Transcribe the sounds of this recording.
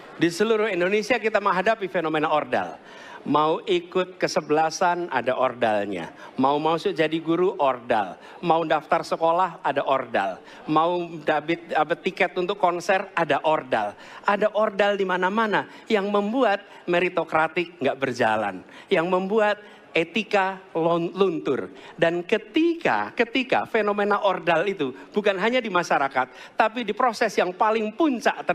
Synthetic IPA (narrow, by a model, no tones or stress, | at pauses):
disəluɾʊhindonesiakit̪aməŋɦadapifenomenaorda̰l | mauʔikʊt̪̚kəsəbəlasana̰daʔordalɲa̰ | maumausʊd͡ʒadiɡuɾuʔɔrda̰l | maudaft̪arsəkolahadaʔorda̰l | maudabɪt̪̚abət̪ikɛt̪unt̪ʊkːɔnsɛradaʔorda̰l | ʔadaʔordaldimanamana | jaŋməmbuat̪̚ | meɾit̪okɾat̪ɪk̚ŋɡaʔbərd͡ʒa̰la̰n | jaŋməmbuat̪̚ | et̪ikallunt̪ʊrdankət̪ika̰kət̪ika̰fenomenaʔɔrdalit̪ubukanɦaɲadimaʃaɾakat̪̚ːap̬idipɾosɛsjaŋpalɪŋpuɲt͡ʃaʔt̪ə